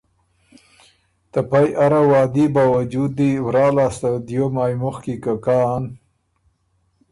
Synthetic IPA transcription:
t̪ɐpajʔaɾawɑːd̪ibawad͡ʒud̪iwɾɑːlaːst̪ad̪jomaːjmoxkikakan

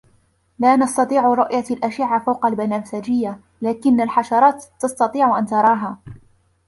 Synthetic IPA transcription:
laːnɑst̪ɑt̪ˤiːʕɾˤʊʔjalʔaʃɪʕafawqɑlbanaːsad͡ʒɪjːa | laːkɪnːalħɑʃɑɾˤɑːt̪ːɑst̪ɑt̪ˤiːʕʊʔant̪ɑɾˤɑːɦaː

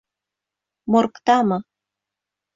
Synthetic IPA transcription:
morkt̪ɑmɤ

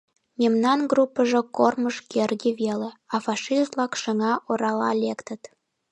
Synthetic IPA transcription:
memnɑnɡrupːəʒĕkorməʃkerɣiβeleɑfɑʃist̪lɑkʃəŋɑʔoɾɑlɑ̰lekt̪ət̪

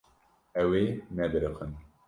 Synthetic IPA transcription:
ɛweːmɛbɨɾɨxɨn

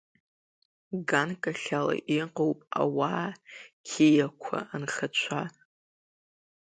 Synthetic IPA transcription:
ɡankʼaɬala̰ʔiqʼowpʼa̰waːkʲʰejakʷʰa̰ːnχat͡ʃʷʰa

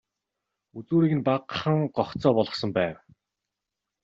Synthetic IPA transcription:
ut͡suːɾiːɣɘ̆npaqχə̆ŋɢɔχt͡sɔːpɔɮɞ̆χsɞ̆mpæːw

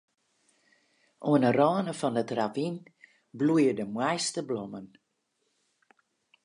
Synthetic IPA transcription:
ʔoənərɔːnəfɔnətravin | blujədəmwɛjstəblɔmən

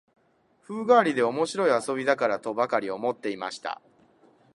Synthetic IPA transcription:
ɸɯ̟ːɡaːɾʲid̪e̞o̞mo̞ɕiɾo̞iaso̞bʲid̪akaɾat̪o̞bakaɾʲio̞mo̞t̪ːe̞ima̰ɕi̥t̪a̰

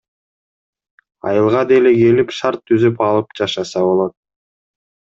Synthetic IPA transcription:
ɑ̰jɯlˠʁɑd̪eleɡe̞lipʃɑɾt̪ʰːyzypɑlˠɯp̚d͡ʒɑʃɑsɑβo̞lˠo̞t̪̚

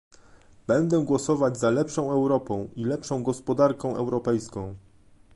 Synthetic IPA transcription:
bɛnd̪ɛɡwɔsɔvad͡ʑzalɛpʂɔ̃w̃ɛwɾɔpɔ̃w̃ʔilɛpʂɔ̃w̃ɡɔspɔd̪aɾkɔ̃w̃ʔɛwɾɔpɛjskɔ̃w̃

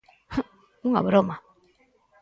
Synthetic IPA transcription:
uŋa̰βuɾoma

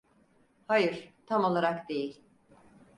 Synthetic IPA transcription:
hajɯɾ̥t̪ʰamo̞lˠaɾakd̪e̞jilʲ

